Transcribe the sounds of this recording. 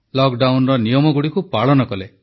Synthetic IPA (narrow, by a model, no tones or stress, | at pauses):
lɔkɖawnɾɔnijɔmɔɡuɽikupaɭɔnɔkɔle